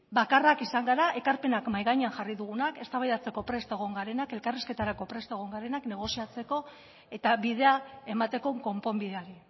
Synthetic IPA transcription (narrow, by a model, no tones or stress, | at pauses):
bakarakisaŋɡaɾaʔe̞kaɾpe̞nakmajɣajɲeanʝariðuɣ̞unake̞st̪aβajðat͡se̞ko̞pɾe̞st̪eɣ̞o̞ŋɡaɾe̞nake̞lkariske̞t̪aɾako̞pɾe̞st̪e̞ɣ̞o̞ŋɡaɾe̞nakne̞ɣ̞o̞siat͡se̞ko̞ | e̞t̪aβiðe̞ae̞mat̪e̞ko̞ŋko̞mpo̞mbiðeaɾi